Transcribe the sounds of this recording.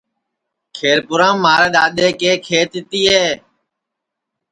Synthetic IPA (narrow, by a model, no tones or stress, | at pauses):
kʰeːɾpʊɾãːmːaːɾeːɗ̪aːɗ̪eːkeːkʰeːt̪ɪt̪iːɦeː